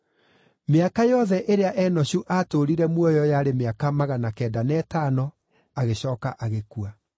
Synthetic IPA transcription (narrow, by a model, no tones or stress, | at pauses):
meakajɔðɛʔeɾeaʔɛːnɔɕuʔatoɾiɾɛmwɔjɔjaɾemeakamaɣanakɛːdanɛtaːnɔ | aɣeɕɔːkaʔaɣekua